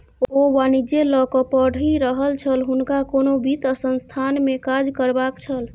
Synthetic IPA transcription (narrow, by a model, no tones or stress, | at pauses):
obanid͡ʒelɔkɔpəɽ̤iɾəɦəlt͡ʃʰəlɦunkakonobit̪əsənst̪ʰanmekad͡ʒkəɾbakt͡ʃʰəl